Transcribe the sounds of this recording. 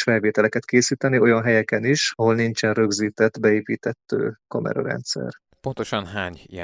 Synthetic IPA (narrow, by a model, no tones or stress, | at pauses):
ʃfɛlveːt̪ɛlɛkɛt̪keːsiːt̪ɛnio̞jɒnɦɛjɛkɛniʃɒɦo̞lnint͡ʃɛnrø̞ɡziːt̪ɛt̪ːbɛeːpiːt̪ɛt̪ːø̰ːkɒmɛ̰ɾɒ̰ɾɛ̰nt̪sɛ̰r | po̞nt̪o̞ʃɒnɦaːɲijɛ